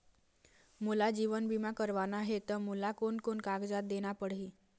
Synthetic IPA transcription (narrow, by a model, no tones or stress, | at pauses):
mulad͡ʑiʋənbimakəɾʋanaɦet̪əmulakoɳkoɳkaɡd͡zat̪̚d̪eɽ̃apəɽɦi